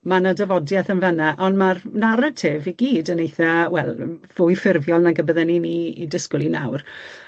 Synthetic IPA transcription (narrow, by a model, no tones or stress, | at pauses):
manadɛvɔdjɛθənvɛnaʔɔndmarnaɾətʰeːviɡiːdənejθawɛlˠvʊjfɪrvjɔlˠnaɡəbəðɛniniidɪskʊlˠina̰wr